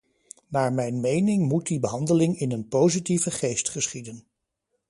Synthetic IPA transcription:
naːɹmɛjnmejnɪŋmut̚dibəɦɑndəlɪŋɪnənpowzitivəχejstχəsχidən

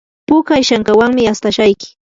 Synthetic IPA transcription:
pʊkajʃaŋkawaŋmɪast̪aʃajkɪ̥

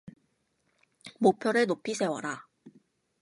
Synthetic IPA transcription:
mopʰjʌɾɯnopʰisʰe̞wa̰ɾa

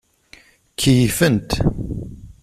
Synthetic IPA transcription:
kʰːijifənt̪

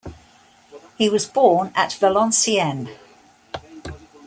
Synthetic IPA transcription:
hiwɒzbɔːnə̰ʔv̥əlɒ̃nsiɛ̃n

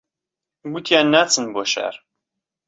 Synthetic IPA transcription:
ɡʷut̪ʰjænːæt͡sːənbɔʃæ̰ɾˤ

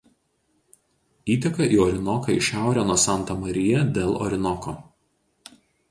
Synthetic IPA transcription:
iːt̪ʲɛkɐʔiːɔɾʲɪnɔkɐɪʃʲæˑʊɾʲoːnuɔsɑˑnˑt̪ɐmɐɾʲɪjɛd̪ʲeːlˠɔ̰ɾʲɪnɔkoː

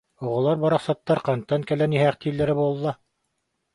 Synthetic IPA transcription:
ŏʁɤ̆lˠɑɾbɑɾɑqsɑt̪ːɑɾqɑnt̪ːɑŋkælænihæχt̪ilːæɾɘbulˠɤlˠːɑ

